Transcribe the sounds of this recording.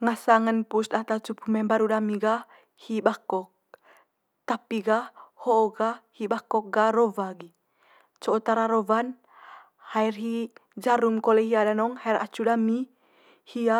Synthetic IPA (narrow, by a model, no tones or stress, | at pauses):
ŋasaŋənpust̪at̪at͡ʃupʰumɛmbaɾudamiɡah | hibakɔk̚ | t̪apiɡahhoːɡahhibakɔk̚ɡarovaɡi | t͡ʃoot̪aɾaɾovan | hairɦid͡ʒaɾumkoleɦiadanɔŋhaiɾa̰t͡ʃudami | hia